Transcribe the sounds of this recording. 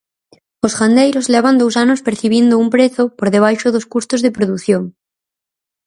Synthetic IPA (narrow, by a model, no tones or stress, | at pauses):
osɣand̪ejɾozleβand̪ows̬anospeɾθiβ̞jend̪oumpɾeθopoɾðeβ̞ajʃoðoskust̪ozðepɾoðuθjoŋ